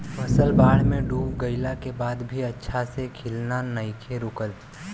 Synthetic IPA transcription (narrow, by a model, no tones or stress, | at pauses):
məsəlbaːɽ̤mẽɖuːpɡəɪlakebaːd̪bʱiɐtːʃʰasekʰɪlnanəɪkʰeɾʊkəl